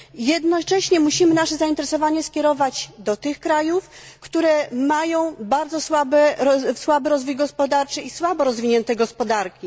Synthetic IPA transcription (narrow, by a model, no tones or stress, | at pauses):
jɛd̪nɔt͡ʂɛɕɲɛmuɕimɘnaʂɛzaint̪ɛɾɛsɔvaɲɛskʲɛɾɔvad͡ʑd̪ɔt̪ɘxkɾajufkt̪uɾɛmajɔ̃w̃baɾd̪zɔswabɛɔswabɘɾɔzvujɡɔspɔd̪aɾt͡ʂɘiswabɔɾɔzvʲiɲɛnt̪ɛɡɔspɔd̪aɾkʲi